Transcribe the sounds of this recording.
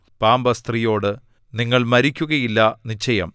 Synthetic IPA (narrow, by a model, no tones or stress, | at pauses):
paːmbɐst̪rijo̞ːɽɨ | niŋːɐɭmɐɾikʲːuɣɐjilːɐnit͡ɕːɐjɐ̰m